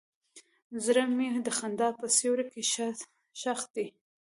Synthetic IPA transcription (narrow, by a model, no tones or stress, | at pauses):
zɾamid̪əxand̪ɑpəsewɾake | ʃaxd̪i